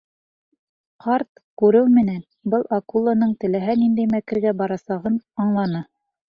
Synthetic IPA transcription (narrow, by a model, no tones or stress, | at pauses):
qʰɑɾt̪ | kʉɾɘwmɘ̆næn | bɤlˠɑkulˠːanɤɴt̪ɘ̆læɦænind̪æjmækɘ̆ɾɡæbɑɾɑsɑʁɤnɑɴlˠɑnɤ